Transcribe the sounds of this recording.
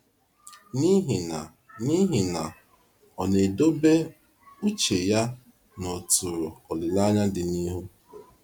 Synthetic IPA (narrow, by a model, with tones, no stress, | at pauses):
ni˦ɦi˨na˨ | ni˦ɦi˨na˨ | ɔ˨ne˨do˦be˦ | u˦t͡ʃe˨ja˦ | no˨tu˨ɾo˨ɔ˨lɪ˨la˦ɲa˦dɪ˨ni˦ɦu˦